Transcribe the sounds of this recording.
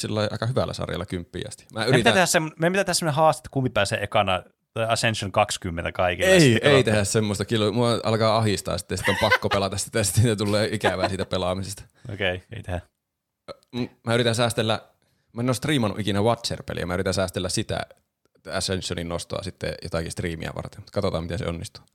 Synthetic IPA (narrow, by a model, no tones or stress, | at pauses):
silːɑiʔɑ̰ikɑhyʋæ̰lːæ̰sɑ̰rjɑ̰lːɑkympːḭæ̰st̪i̥mæːymitiæt̪ehæsemːnmempit̪æt̪ehæsemːonehɑːst̪e̥t̪ːkumːipæˑːsḛːʔekɑnɑ | t̪ɑæsensjoŋkɑkskymːẽnt̪ækɑikieieit̪ehæssemːost̪ɑkylːmuɑʔɑ̰lkɑːɑhist̪ɑ̰ːsi̥t̪ːesi̥t̪ːompɑkːopelɑt̪ɑsit̪ːæsi̥t̪ːeet̪ulːeːikæʋæːsiːt̪æpelɑmisest̪ɑ̥ | o̰keiḛit̪ehæ | mumæːyɾit̪æ̃nsæːst̪elːæ | mæenoːst̪riːmɑnːuʔikinæʋɑt̪sḛrpḛlḭjɑ̰mæyrit̪æ̃nsæːst̪elːæsit̪æ̰ | æsensoninnost̪o̰ɑ̰sit̪ːḛjo̰t̪ɑkist̪riːmḭæ̰ʋɑ̰rt̪emut̪kɑt̪ot̪ɑːmit̪ensḛonːist̪u̥ː